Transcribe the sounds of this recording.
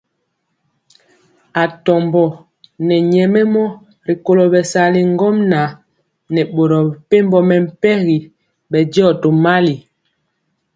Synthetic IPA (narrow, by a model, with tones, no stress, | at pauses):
a˨tɔ˨mbɔ˨ | nɛ˨ɲɛ˨mɛ˦mɔ˦ | ɾi˨ko˦˨lo˨bɛ˨sa˨li˨ŋ˦ɡɔ˦mna˨ | nɛ˨ɓo˨ɾɔ˨pe˦m˦bɔ˦mɛ˨m̩˨˦pɛ˦ɣi˨ | bɛ˨dɔ˦˨to˨ma˦li˨